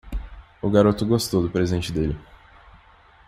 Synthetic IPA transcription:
ʊɡaɾot̪ʊɡost̪owd̪ʊpɾezẽnt͡ʃɪd̪elɪ

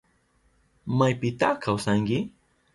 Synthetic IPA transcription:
majpɪt̪aχkawsaŋkɪ

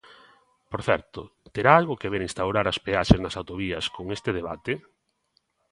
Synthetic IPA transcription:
poɾθɛɾt̪ʊt̪eɾaalɣokeβeɾĩnst̪awɾaɾaspeaʃeznɐsawt̪oβiɐskoŋest̪ɪðeβa̰t̪e

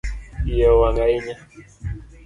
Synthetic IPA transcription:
ijawaŋɡaiɲa

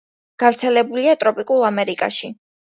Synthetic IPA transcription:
ɡ̥avɾt̪sʰɛlɛbuliat̪ʼɾɔpʼikʼulˠamɛɾikʼa̰ʃi

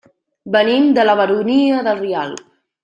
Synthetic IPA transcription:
bənimd̪ələβ̞əɾuniəðəlˠria̰lˠ

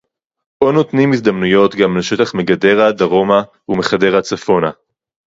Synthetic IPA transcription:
ʔonot̪nimizd̪amnujo̞t̪ɡamleʃe̞taχmeɡade̞ʁad̪aʁo̞ma | ume̞χade̞ʁat͡safo̞na

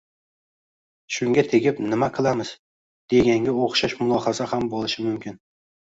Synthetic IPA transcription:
ʃʊŋɡʲat̪ʰe̞ɡʲɪpnɪmaqʰɨlˠamɪz̥ | d̪̥e̞ɡʲaŋɡʲaoχʃaʃmʊlˠɒhazahambolˠɪʃɪmʊmkʲɪn

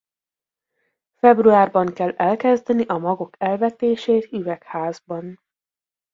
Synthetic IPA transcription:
fɛbruaːrbɒŋkɛlːɛlkɛzd̪ɛniʔɒmɒɡokɛlvɛt̪eːʃeːt̪yvɛkhaːzbɒn

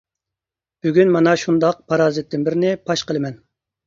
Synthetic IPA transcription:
b̥yɡʲynmɑnɑʃund̪ɑq̚pʰɑɾɑːzɨt̪ːɪnbɪɾɪnɪpʰɑʃqəlˠɨmɛn

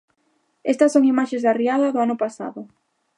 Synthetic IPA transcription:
ɛst̪ɐsːoŋimaʃezðariaðɐðʊanʊpasa̰ðʊ

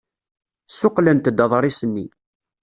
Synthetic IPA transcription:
sʊqlənt̪d̪əðˤɾˤisənːi

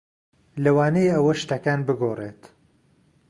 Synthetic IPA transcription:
lɐwaːnejɐwɐʃt̪ɐkaːnbɨɡoːret̪

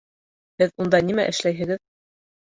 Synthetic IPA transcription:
hɘðund̪ɑnimæ̰ʔɘ̆ʃlæjɦɘ̆ɡɘð

